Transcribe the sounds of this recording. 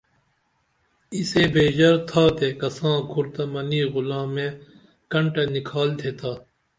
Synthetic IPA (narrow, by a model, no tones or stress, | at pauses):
iseːbʱeːd͡ʑɐɾt̪ʰaːt̪ekɐsãːkʰuɾt̪ɐmɐniːɣʊlãːmẽː | kɐɳʈɐnikʰaːlt̪ʰeːt̪ʰaː